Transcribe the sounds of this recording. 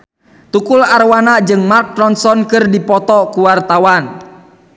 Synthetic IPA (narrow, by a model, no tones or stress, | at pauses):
t̪ukularwanad͡ʒɨŋmark̪̚ɾɔnsɔnkɨrdipɔt̪ɔkuwart̪awan